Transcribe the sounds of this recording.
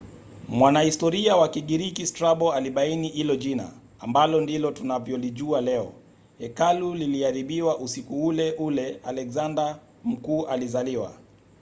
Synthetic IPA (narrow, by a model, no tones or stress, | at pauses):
mwanahistɔɾiawakiɠiɾikistɾaɓɔaliɓainiʔilɔʄina̰ː | mbalɔndilɔtunavjɔliʄualɛɔ | hɛkaluliliaɾiɓiwaʔusikuulɛʔulɛalɛkzanda | m̩kuːʔalizaliwa̰